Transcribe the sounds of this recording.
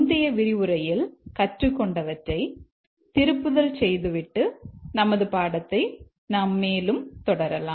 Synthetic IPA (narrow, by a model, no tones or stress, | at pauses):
nd̪ɪjɐʋɪɾɪʋɯɾɐjɪlkɐʈrɯkːɔɳɖɐʋɐʈrɐɪ | t̪ɪɾɯpːɯðɐlsɛjðɯʋɪʈːɯnɐmɐðɯpaːɽɐt̪ːɐɪ | naːmːeːlɯmt̪ɔɽɐɾɐlaː